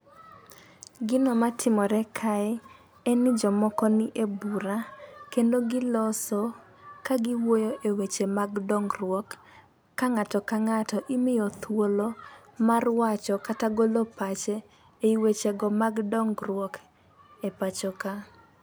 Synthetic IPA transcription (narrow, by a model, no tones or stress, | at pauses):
ɡɪnɔmatʰɪmɔɾɛkʰaɛ | ɛnɪd͡ʒɔmɔkɔnɪʔebuɾakendoɡɪlɔsɔ | kaɡɪwojoʔewet͡ʃemaɡdɔŋɡrwɔkː | aŋatɔkaŋatɔʔɪmɪjɔt̪ʰwolomarwat͡ʃɔkataɡolopat͡ʃɛ | eiwet͡ʃeɡɔmaɡdɔŋɡrwɔk | epat͡ʃɔka